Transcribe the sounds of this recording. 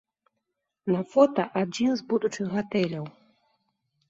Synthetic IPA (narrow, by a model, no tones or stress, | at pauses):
nɐfɔt̪ɐʔad͡zʲinzbud̪ut͡ʂɨxɣat̪ɛlʲɐw